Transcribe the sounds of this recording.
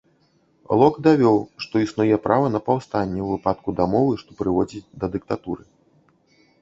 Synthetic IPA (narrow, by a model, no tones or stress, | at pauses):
lˠɔkd̪avʲɔwʂt̪ɔisnujɛpɾʔavɐnɐpawst̪anʲːɛwvɨpat̪̚kud̪amɔvɨʂt̪ɔ̥pɾɨvɔd͡zʲid̪ɐd̪ɨk̚t̪at̪uɾɨ